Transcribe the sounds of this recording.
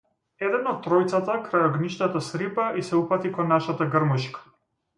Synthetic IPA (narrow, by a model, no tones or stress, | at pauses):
ɛd̪ɛnɔt̪̚t̪ːɾɔjt̪sat̪akɾajɔɡniʃt̪at̪asɾipaʔisɛupat̪ikɔnːaʃat̪aɡərmuʃkḁ